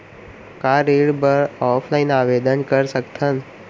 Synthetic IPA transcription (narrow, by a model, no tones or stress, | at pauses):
kaɾeɽbəɾɔːpʰlainaːʋed̪ənkəɾsək̚t̪ʰən